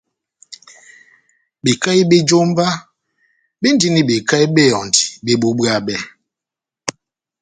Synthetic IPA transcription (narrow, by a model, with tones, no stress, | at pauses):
bi˨ka˦i˦ɓe˦d͡ʒo˦m˦va˦ | bi˦n̩˦di˦ni˨ɓi˨ka˦i˦ɓe˦˨ɔ˨n˨ti̥˨be˦ɓu˨˦ɓa˨ɓɛ˦˨